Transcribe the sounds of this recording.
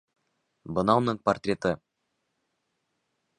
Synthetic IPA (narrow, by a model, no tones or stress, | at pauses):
bənɑwnəɴport̪rʲet̪ə